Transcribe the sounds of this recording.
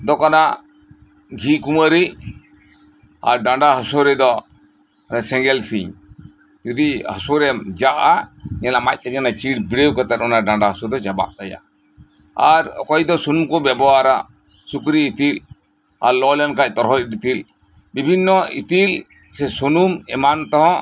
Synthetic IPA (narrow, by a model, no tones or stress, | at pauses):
d̪ɔkana | ɡʱikuməɾi | a̰ɾɖãɳɖaɦɔsɔɾɛd̪ɔ | nɛsɛ̃ŋɡɛlsiɲ | d͡ʒud̪ihɔsɔɾɛmd͡ʒaʔaɲɛlamac̚t̪ɛɲanat͡ʃiɖbiɽewkət̪ɛt̪ɔnaɖãɳɖaɦɔsɔɾd̪ɔd͡ʒaba̰ʔk̪aja̰ | aɾkɔjd̪ɔsunumkɔbɛbɔwaɾa | sukɾiːt̪il | a̰ɾlɔlɛnkac̚ˀt̪ɔɾɦɔc̚ɖit̪il | bibʱinːɔit̪il | sɛsunumɛ̰mant̪ɔɦɔ̃